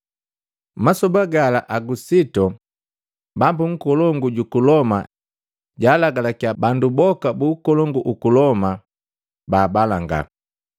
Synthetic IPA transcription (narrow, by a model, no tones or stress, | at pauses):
masɔbaɡalaʔaɡusitɔ | bambuŋ̩kɔlɔŋɡuɟukulɔma | ɟaːlaɡalakjabandubɔkabuːkɔlɔŋɡuʔukulɔma | baːbalaŋɡa̰